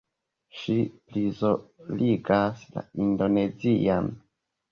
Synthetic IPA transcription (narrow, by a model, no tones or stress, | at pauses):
ʃiplizoliɡasla̰indo̞ne̞zian